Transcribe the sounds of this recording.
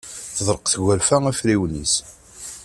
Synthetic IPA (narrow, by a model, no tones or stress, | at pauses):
θəðˤɾˤəqθəɣʷæɾfææfɾiwnis